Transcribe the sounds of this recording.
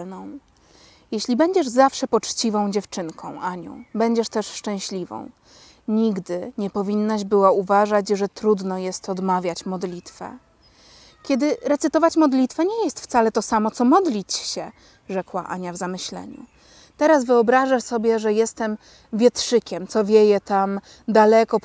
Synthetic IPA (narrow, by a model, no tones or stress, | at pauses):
nɔ̃w̃ | jɛɕlʲibɛɲd͡ʑɛʐzafʂɛpɔt͡ʂt͡ɕivɔ̃w̃d͡ʑɛft͡ʂɘŋkʰɔ̃w̃ʔaɲɔ̰̃w̃bɛɲd͡ʑɛʂt̪ɛʂʂt͡ʂɛ̃w̃ɕlʲivɔ̰̃w̃ | ɲiɡd̪ɘɲɛpɔvʲinːaɕbɘwauvaʐat͡ɕʐɛt̪ɾud̪nɔjɛst̪ɔd̪mavʲjat͡ɕmɔd̪lʲit̪fɛ̰ | kʲɛd̪ɘɾɛt̪sɘt̪ɔvat͡ɕmɔd̪lʲit̪fɛɲɛjɛst̪ft̪salɛt̪ɔsamɔt̪sɔmɔd̪lʲit͡ɕɕɛ | ʐɛkwa̰ʔa̰ɲavzamɘɕlɛ̰ɲṵ | t̪ɛɾasvɘɔbɾaʐasɔbʲjɛʐɛjɛst̪ɛm | vʲjɛt̪ʂɘkʲɛmt̪sɔvʲjɛjɛt̪am | d̪alɛkɔ